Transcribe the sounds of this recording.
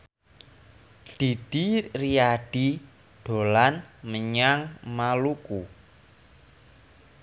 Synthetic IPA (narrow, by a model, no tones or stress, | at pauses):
d̪̥id̥iriaɖ̥i | ɖ̥o̤lanməɲaŋmaluku